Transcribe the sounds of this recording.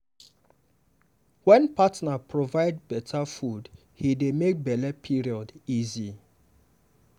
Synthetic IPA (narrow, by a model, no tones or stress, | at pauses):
wɛ̃npʰatnapʰɹovaɪd̚bɛtʰafud | hidemek̚bɛlɛpʰiɹiɔdizi